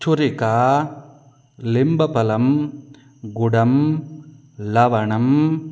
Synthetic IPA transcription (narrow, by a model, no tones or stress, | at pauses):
t͡ʃʊɾɪkaː | lɪmbɐpɐlɐm | ɡʊɽɐm | lɐʋɐɳɐm